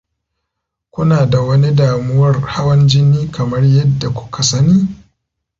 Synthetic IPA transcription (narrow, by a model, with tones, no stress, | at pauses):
kʷʊ˦naː˨da˨wɐ˦ni˦daː˨mʊ˦wɐ˦rha˦wɐ˦nd͡ʒɪ˦niː˦kɐ˨mɐ˦rjɐ˦dːa˨kʷʊ̥˦kʰa˨sɐ˦niː˦